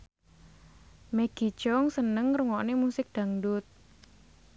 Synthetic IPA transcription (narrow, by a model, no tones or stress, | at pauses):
meɡ̥i̤t͡ʃɔŋsənəŋɾəŋɔʔnemusɪk̚d̪̥a̤ŋdʊt̪̚